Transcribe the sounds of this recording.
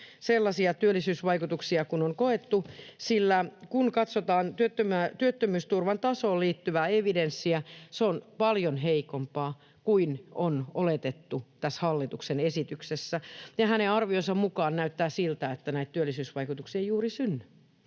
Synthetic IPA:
selːɑsiɑt̪yølːˑisyːsʋɑikut̪uksiɑkunoŋkoet̪ːusilːækunkɑt̪sot̪ɑːnt̪yøt̪ːømæt̪yøt̪ːømyːst̪urʋɑnt̪ɑsoːlliːt̪ːyʋæeʋidensːiæseonpɑljonɦeikompɑː | kuinonolet̪et̪ːut̪æshɑlːit̪uksenesit̪yksesːæjɑhæneɑrʋionsɑmmukɑːnnæyt̪ːæːsilt̪æet̪ːænæit̪tyølːˑisyːsʋɑikut̪uksiejuːrisynːy

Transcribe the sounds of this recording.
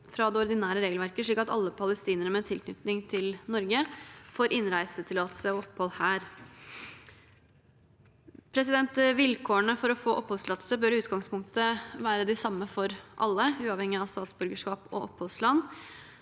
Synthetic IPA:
fɾɑd̪ɛɔɾd̪ɪnæːɾəɾeːɡəlʋæɾkəʂɭiːkɑt̪ɑ̰lːəpʰɑləst̪iːnəɳəmɛːt̪ʰɪlkʰnʏ̰t̪nɪŋt̪ʰɪlnɔɾɡəfoːɾʔɪnɾæɪsət̪ʰɪlɑt̪ə̥səɔɔpːhɔlhæːɾ | pʰɾɛs̬ɪd̪ɛnt̪ʋɪlkʰoːəɳəfɔɾɔfoːʔɔpːhɔlslɑːt̪əsəbœɾʉːt̪ɡɑŋspʰʊŋk̚t̪əʋæːɾəd̪ɪsɑmːəfɔɾʔɑ̰lːəʉːɑʋhɛŋːɪɑʋst̪ɑːt̪sbʉɾɡəʂkɑːpɔ̰ʔɔpːhɔlslɑnː

